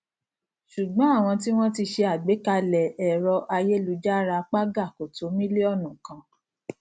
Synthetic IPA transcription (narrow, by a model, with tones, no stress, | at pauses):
ʃu˨ɡ͡bɔ̃˨˦a˦˨w̃ɔ̃˧t̬i˦w̃ɔ̃˦ti˧ʃe˧a˨ɡ͡be˨˦ka˧lɛ˨ɛ˨ɾɔ˧ʔa˧je˦lu˨˦d͡ʒa˦ɾa˧k͡pa˦ɡa˦˨ko˨to˨˦mĩ˦li˦ɔ˦˨nũ˨kã˧